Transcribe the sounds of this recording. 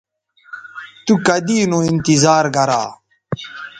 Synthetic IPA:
t̪ukɐd̪iːnoint̪izaːɾɡɐɾa̰ː

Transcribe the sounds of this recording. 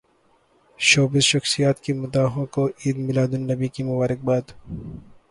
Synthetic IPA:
ʃoːbɪzʃɐxsijaːt̪kimʊd̪aːɦõkoʔiːd̪mɪlaːd̪ʊnːɐbikimʊbaːɾɪk̚baːd̪

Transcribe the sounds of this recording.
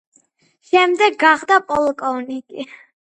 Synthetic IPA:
ʃɛmd̪ɛɡːaχd̪apʼɔlˠkʼɔnikʼi

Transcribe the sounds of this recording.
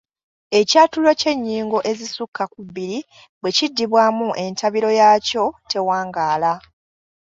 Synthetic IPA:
e̞caːtuloce̞ɲːiːŋɡo̞ʔe̞zisukːakuβːiɾi | bwe̞cidːiβwaːmuʔe̞ntaβiɾo̞jaːco̞tʰe̞waːŋɡaːla

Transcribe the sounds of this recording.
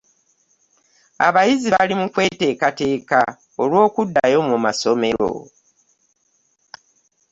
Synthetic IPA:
a̰βajiziβalimukwe̞ːte̞ːkate̞ːka | olwo̞ːkudːajo̞mumaso̞me̞ɾo̰

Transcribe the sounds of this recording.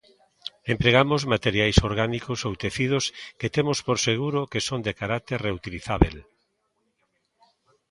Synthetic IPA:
empɾeɣ̞amozmat̪eɾjajsoɾɣanikosowt̪eθið̞ʊsket̪emʊspoɾseɣ̞uɾʊkesond̪ekaɾak̚t̪eɾreut̪iliθaβḛl

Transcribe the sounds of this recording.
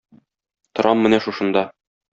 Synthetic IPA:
t̪ŏɾʔɑmːɘ̆næʃuʃɤ̆nd̪ɑ

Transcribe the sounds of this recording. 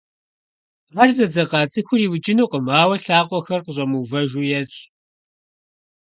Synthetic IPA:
ʁɐʒzɐd͡zɐqɑːt͡sʼɨxʷʊriːwʊt͡ʃʼɪnuːqəmaːwɐɬaːqʷʼɔxɐrqəɕʷʼɐmuːvɐʒuːjɛɕʼ

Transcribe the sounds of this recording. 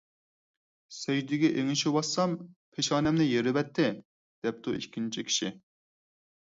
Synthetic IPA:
sɛjd̪ɪɡʲɛʔeŋɪʃiwɑsːɑmpʰeʃɑːnɛmnɪjeɾɪvɛt̪ʰːɪ | d̪̥ɛp̚t̪ʰuḭkʲːint͡ʃʰikʲʰi̥ʃi

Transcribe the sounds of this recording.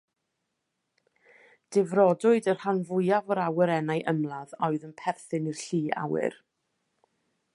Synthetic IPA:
d̥ɪvrɔdʊɨdərhanvʊjavəɾawɛɾɛnajʔəmlˠaðɔɨðənpʰɛrθɪnir̥ɬiːa̰wɪ̰r

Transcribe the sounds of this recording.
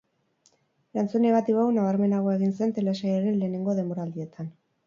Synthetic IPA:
ɾant͡sune̞ɣat̪iβawnaβaɾme̞naɣ̞o̞e̞ɣinse̞nt̪e̞lesajaɾe̞nle̞ːne̞ŋɡo̞ðe̞mbo̞ɾald̪ie̞t̪an

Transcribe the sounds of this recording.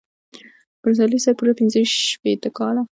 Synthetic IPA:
b̥ɾzɑlisaɾpuɾapinzəiʃpet̪əkɑla

